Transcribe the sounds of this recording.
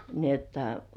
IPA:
ni etːæ

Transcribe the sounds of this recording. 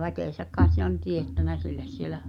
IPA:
ʋækeˑsæk kɑet se on tietːænæ silːes sielæ

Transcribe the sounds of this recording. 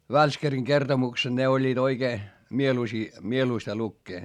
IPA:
ʋælskæriŋ kertomuksed̥ ne olʲːiːt oikeː mieluisiː mieluistɑ lukːeː

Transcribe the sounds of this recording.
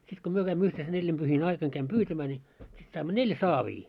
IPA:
sit ko myø kæimːø yhten se nelʲːimb̥yhin ɑikɑn kæim pyːtæmæː nʲiː sit sɑimːo nelʲ sɑːʋiː

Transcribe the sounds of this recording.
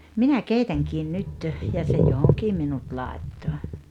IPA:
minæ keitæŋkiːn nyt jɑ se johoŋkiː minut lɑˑetːo

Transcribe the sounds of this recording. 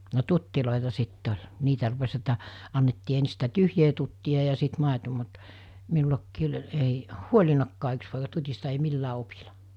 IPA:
no tutːiloˑitɑ sitː olʲ niːtæ rupes etːæ ɑnːetːiː ensi̥ sitæ tyhjeː tutːiɑ jɑ sit mɑˑeto mut minulɑkːiː olʲ ei huolʲinɑkːɑː yks poikɑ tutʲistɑ ei milːæː opilɑ

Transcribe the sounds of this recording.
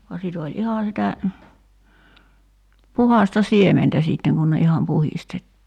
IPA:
ʋuɑ sit olʲ ihɑˑ sitæ puhɑˑstɑ siementæ siˑtːeŋ kun ne ihɑm puhistetːiː

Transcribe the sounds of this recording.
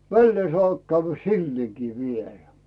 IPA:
ʋælːeː sŏɑˑp kæyʋːæ silːieˑkiː ʋielæ

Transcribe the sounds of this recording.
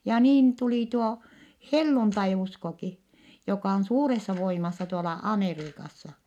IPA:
jɑ niːn tuliˑ tuo helːuntɑiuskoki jokɑˑ on suːresːɑ ʋoimɑsːɑ tuolɑ ɑmeriːkɑsːɑ

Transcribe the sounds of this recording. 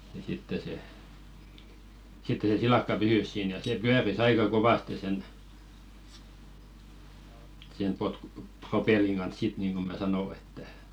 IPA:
jɑ sitːe se sitːe se silɑˑkːɑ pysys siːn jɑ se pyæris ɑikɑ koʋɑste sen sen potku̥ propelːiŋ ɡ̊ɑns sit niːŋɡ̊o mæ sɑno etːæ

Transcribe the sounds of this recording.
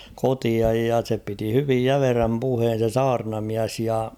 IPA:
kotiɑj jɑ se piti hyʋij jæmeræm puheːn̞ se sɑːrnɑmiæs jɑ

